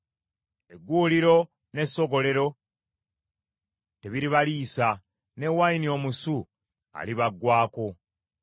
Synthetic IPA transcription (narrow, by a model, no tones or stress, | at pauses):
eɡːuːliɾo̞ | ne̞so̞ɡo̞le̞ɾo̞ | te̞βiɾiβaliːsa | ne̞wainio̞musu | a̰liβaɡwaːko̞